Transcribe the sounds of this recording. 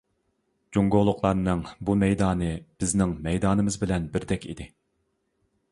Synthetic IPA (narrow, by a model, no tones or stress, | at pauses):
d͡ʒoŋɡolˠːʊqlˠɑɾnɨŋbumɛjd̪ɑːnɨb̥ɪznɪŋmɛjd̪ɑːnɨmɨzbɪlɛnbɪɾd̪ɛkʲḭd̪ɪ